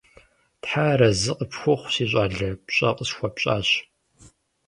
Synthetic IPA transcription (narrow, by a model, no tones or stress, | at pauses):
tħaːɾɐzɨqʼəpxʷʊχʷɕiːɕ̬ʼaːɮɐpɕʼɐ̰qʼəɕxʷɐpɕʼa̰ːɕ